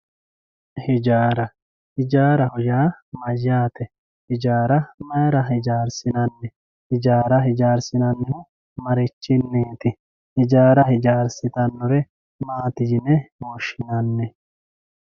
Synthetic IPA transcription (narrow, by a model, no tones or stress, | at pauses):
hɪd͡ʒaːɾɐ | hɪd͡ʒaːɾɐhɔjaːmɐjːaːt̪ɛ | hɪd͡ʒaːɾɐmɐjɐɾɐhɪd͡ʒaːɾsɪnɐnːɛ | hɪd͡ʒaːɾɐɦɪd͡ʒaːɾsɪnɐnːɛhʊ | mɐɾɪt͡ʃːɪnːeːt̪ɪ | hɪd͡ʒaːɾɐhɪd͡ʒaːɾsɪt̪ɐnːɔɾɛ | maːt̪ɪd͡ʒɪnːɛmoːʃɪnɐnːɛ